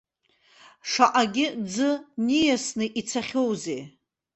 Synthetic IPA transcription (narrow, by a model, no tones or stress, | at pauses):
ʂaʔaɡʲɪd͡zɨnijasnɨʔit͡sʰaχʲo̞wze